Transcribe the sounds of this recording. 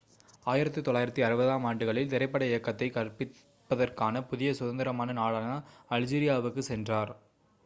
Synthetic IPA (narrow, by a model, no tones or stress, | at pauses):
aːjɪɾɐt̪ːit̪ɔɭːaːjɪɾɐt̪ːiɐɾɯbɐðaːmaːɳɖɯɣɐɭɪlt̪ɪɾɐɪpːɐɽɐɪjɐkːɐt̪ːɐɪkɐrpɪ | pːɐðɐrkaːnɐpʊðɪjɐsʊðɐnd̪ɪɾɐmaːnɐnaːɭaːnɐɐld͡ʒiːɾɪjaːʋɯkːɯsɛndraːɾ